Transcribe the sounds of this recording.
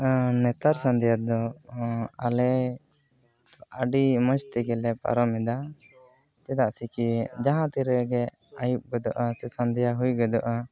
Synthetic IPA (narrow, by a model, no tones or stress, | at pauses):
nɛt̪aɾsand̪ɛjad̪ɔ | alɛ | aɖimɔ̃d͡ʒt̪ɛɡɛlɛpa̰ɾɔmɛd̪a | t͡ʃɛd̪aʔsikid͡ʒaɦãt̪iɾɛɡɛ | ajup̚ɡɛd̪ɔʔasɛsand̪ɛjaɦujɡɛd̪ɔʔa